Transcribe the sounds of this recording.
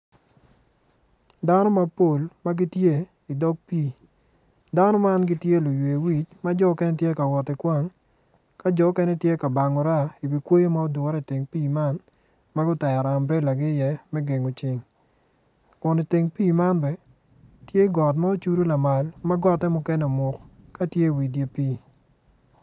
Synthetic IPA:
da˦nɔ˦ma˦po˨lma˦ɡɪ˦tje˦ | i˨dɔ˦k̚piː˦˨ | da˦nɔ˦ma˦nɡɪ˦tje˦lo˨jwe˨wi˨t͡ʃma˦d͡ʒɔ˦kɛ˦nɛ˦tje˦ka˨wɔ˨tɪ˨kwa˦ŋ | ka˦d͡ʒɔ˨˦kɛ˦nɛ˦tje˦ka˨ba˨ŋɔ˨ɾa˦i˨bi˨kwo˦jo˦ma˦ɔ˦dʊ˨ɾɛ˦˨tɪ˨ŋpiː˦˨ma˦n | ma˦ɡʊ˦tɛ˨a˨ɾa˨mbɾɛ˦la˨ɡɪ˦jɛ˦mɛ˦ɡe˨ŋo˨t͡ʃɪ˨˦ŋ | kʊ˨ni˨tɪ˨ŋpiː˦˨ma˦nbɛ˨ | tje˦ɡɔ˨t̬ma˦o˦t͡ʃu˦ɾu˦la˨ma˨lma˦ɡɔ˦tːɛ˦mʊ˦kɛ˦nɛ˨mʊ˨kka˦tje˦˨wi˨t̬je˦piː˦

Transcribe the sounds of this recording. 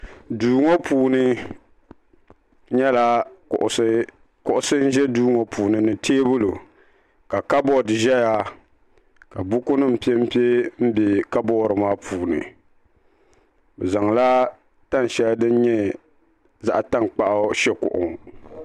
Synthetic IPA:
duː˨ŋo˦puː˨nɨ˦ | ɲɛ˦la˦˨ʔ | kʊ˨ʔʊ˦sɨ˦n̩˦ʒɛ˦duː˦ŋo˨pʰuː˨nɨ˨nɨ˨tʰeː˦bʊ˦lo˨ | ka˨ka˦bɔ˦˨dɨ˨ʒɛ˦ja˦ | ka˨bu˦kʊ˦nɨ˦m̩˨pi˦e˦m̩˦pi˦e˦m̩˦be˨ka˦bɔː˦ɾɨ˨maː˦pʰuː˨nɨ̰˨ | bɛ˨za˨ŋ˨la˦ | ta˦n˨ʃɛ˦ldɨ˦n˦ɲɛ˦ | za̰˦ʔta˦nk͡pa˦˨ʔa˦ʃɛ˦kʊ̰˨ʔʊ̰˨ŋ

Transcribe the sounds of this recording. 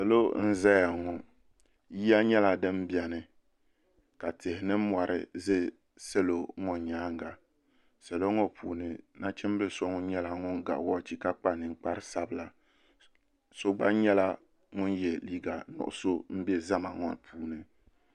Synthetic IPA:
sɛ˨lo˦n̩˦zɛ˦ja˨ŋɔ˨ | ji˦a˦ɲɛ˦la˨dɨ˦m˦bi˨a˨nɨ˨ | ka˨te˨hɪ˨nɨ˦mwa˨ɾʔɨ̰˦zɨ˦ | se˦lo˦ŋɔ˦˨ɲaː˨˦ŋ˨ɡa˨ | sɛ˨lo˦ŋo˦pʰṵː˨nɨ˨na˦t͡ʃɛ˦m˦bɨ˦so˦ŋʊ˦ɲɛ˦la˨ŋʊ˦ŋɡa̰˨ʔwɔ˦˨t͡ʃi˦ka˦k͡pa˦˨nɨ˨ŋ̩˦k͡pa˦ɾɨ˦sa˦bɨ˨la˨ | so˦ɡ͡ba˦ɲɛ˦la˦ | ŋʊ˦njɛ˨liː˦ɡa˨nɔ̰˨ʔʊ̰˨so˦m̩˦bɛ˦za˦ma˨ŋɔ̰˦˨n˨pʰuː˨˦nɨ˨

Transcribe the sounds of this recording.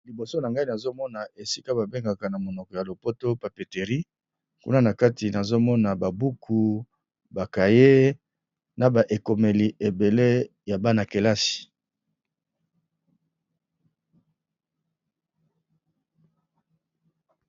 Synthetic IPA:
li˨bo˨so˦na˨ŋɡa˦i˦na˨zo˦mɔ˦na˨ʔe˨si˦ka˦ba˨be˦ŋɡa˨ka˨na˨mo˨nɔ˨kɔ˨ja˨lo˨po˦to˦pa˨pe˨te˨ʁi˦ | kṵ˦na˦na˨ka˦ti˨na˨zo˦mɔ˦na˨ba˨bu˦kʰu˨ | ba˨ka˨je˦ | na˨ba˨ʔe˨ko˨me˨li˨ʔe˨be˨le˦ | ja˨ba˦na˨ke˨la˦si̥˨

